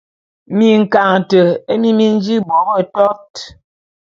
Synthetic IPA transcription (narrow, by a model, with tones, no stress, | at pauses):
mi˨ŋ̩˨ka˨ŋ˨tə˨e˦mi˦mi˦n˦d͡ʒi˦bɔ˨˦bə˦tɔ˦t